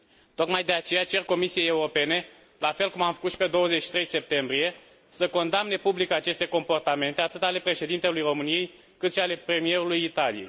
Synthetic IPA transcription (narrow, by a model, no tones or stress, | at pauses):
t̪o̞kmajd̪e̞at͡ʃe̞jat͡ʃe̞rko̞misije̞jeuɾo̞pe̞ne̞ | lafe̞lkumamfə̥kut̪ʃi̥pe̞d̪o̞wəzet͡ʃʃi̥t̪ɾe̞jse̞p̚t̪e̞mbɾije̞ | səko̞nd̪amne̞publikat͡ʃe̞st̪e̞ko̞mpo̞rt̪ame̞nt̪e̞at̪ɨt̪ale̞pɾe̞ʃe̞d̪int̪e̞lujro̞mɨnije̞j | kɨt̪ʃiale̞pɾe̞mije̞ɾulujit̪alḭjej